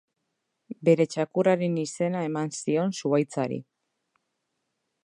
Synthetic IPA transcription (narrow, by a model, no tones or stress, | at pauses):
be̞ɾe̞t͡ʃakuraɾenise̞nae̞mansio̞nsuajt͡saɾḭ